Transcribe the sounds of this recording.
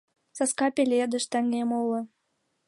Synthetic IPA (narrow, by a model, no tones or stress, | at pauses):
sɑskɑpʲelʲed̪ə̆ʃt̪æŋɡemolɤ̆